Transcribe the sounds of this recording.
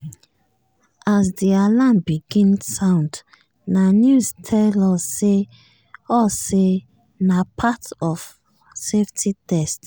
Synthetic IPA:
asdialãnbiɡĩnsãʊ̃nd | nanjustʰɛlɔsːe | ɔse | napʰatɔv | seftʰitʰɛst

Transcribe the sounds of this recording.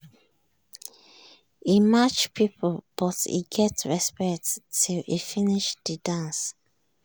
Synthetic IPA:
imat͡ʃpʰipʰəb̥ɔtḭɡɛtɹɛspɛktːʰilḭfiniʃdədãns

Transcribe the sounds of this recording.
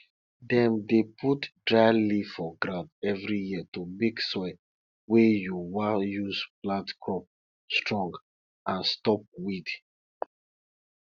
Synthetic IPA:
dɛ̃mdeputdɹaɪlifɔɡɾãʊ̃ndɛvɹijiətumeɡsɔɪ | wejuwajuzblãtkʰɹɔp̚ | stɹɔ̃ŋɡ | ãnstɔp̚wid

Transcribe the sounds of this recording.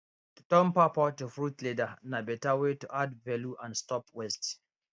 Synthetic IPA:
tɔ̃mpapɔtufɹutledanabɛtawetuʔadvɛluʔãndstɔpwɛst

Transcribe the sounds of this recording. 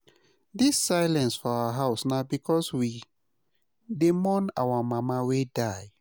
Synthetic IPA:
disːaɪlɛ̃nsfɔawaɦaʊsnaʊbikʰɔswi | demɔna̰wamamawedaj

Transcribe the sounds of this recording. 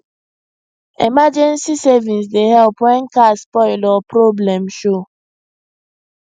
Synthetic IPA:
emad͡ʒɛ̃nsisɛvĩns̬deɦɛlpwɛ̃nkaspɔɪlɔpɾoblɛ̃mʃo

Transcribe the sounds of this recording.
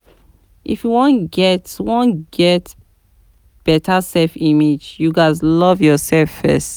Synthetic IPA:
ʔḭfjuwɔ̃nɡɛtwɔ̃nɡɛt | b̥ɛtʰasɛlfimed͡ʒjuɡaɪzlɔvjɔsɛlfːɛ̰st

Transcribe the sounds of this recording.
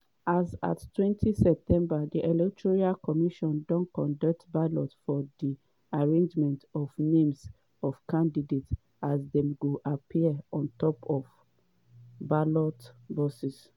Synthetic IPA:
aza̰ttwɛ̃ntʰisɛp̚tʰɛ̃mbadiʔɛlɛk̚tʰɹɔɹialkɔmiʃɔ̃ndɔ̃nkɔ̃ndak̚tbalɔtfɔdi | aɹẽnd͡ʒmɛ̃ntɔvnẽms | ɔfkãndidet | azdɛ̃mɡuʔapʰiɔ̃ntɔpʰɔf | balɔtbɔsis

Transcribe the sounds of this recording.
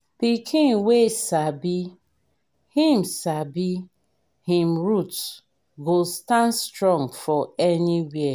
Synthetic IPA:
pikʰĩŋwesabi | hĩm̩sabi | hĩm̩ɹut | ɡostãnstɾɔ̃ŋfɔɛniwiɛ

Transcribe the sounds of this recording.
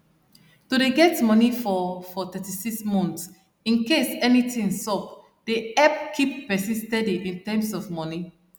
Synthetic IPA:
todeɡɛtmɔnifɔfɔt̪ɛtisiksmɔ̃nθts | ĩnkesɛnitĩŋsɔp̚ | d̥eɛp̚kʰip̚ːɛsĩnstɛdiʔĩntɛ̃msɔvmɔni

